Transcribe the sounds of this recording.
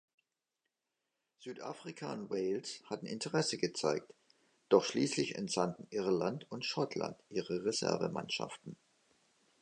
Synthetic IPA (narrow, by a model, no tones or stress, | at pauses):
z̥yːtʔa̰ːfʁ̥ikʰaʊntweɪlshatn̩ɪntʰəʁɛsəɡət͡saɪk̚t | d̥ɔχʃliːslɪçɛ̰ntfandn̩ʔɪɐlantʰʊntʃɔtʰla̰ntʔiːʁəʁezɛ̰ɐvə̰ma̰nʃa̰ftn̩